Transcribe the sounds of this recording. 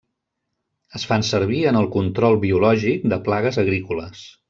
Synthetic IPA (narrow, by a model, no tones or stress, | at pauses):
əsfansəɾβ̞iənəlˠkunt̪ɾɔlˠβiulɔʒik̚d̪əplaɣəzəɣɾikuləs